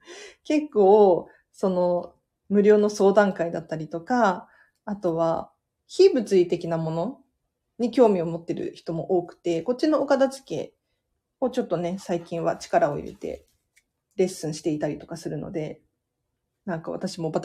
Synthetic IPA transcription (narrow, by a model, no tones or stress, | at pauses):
ke̞kːo̞ː | so̞no̞ | mɯ̟ɾʲo̞ːno̞so̞ːd̪ãŋkaid̪at̪ːaɾʲit̪o̞kaː | t̪o̞βa̰ | çiːbɯ̟t͡sɨit̪e̞kʲinamo̞no̞ | ɲ̟ikʲo̞ːmʲio̞mo̞t̪ːe̞ɾɯ̟̰çi̥t̪o̞mo̞ʔoːkɯ̟̥t̪e̞ko̞t̚t͡ɕino̞ːkad̪at͡ɕi̥ke̞̰ː | o̞t͡ɕo̞t̪ːo̞ne̞saikʲĩɰ̃βat͡ɕi̥kaɾao̞̰ḭɾḛt̪e̞̰ | ɾe̞sɨ̃ɰ̃ɕi̥t̪e̞it̪aɾʲit̪o̞kasɨɾɯ̟no̞̰d̪e̞ | nãŋkaβa̰t̪aɕimo̞ba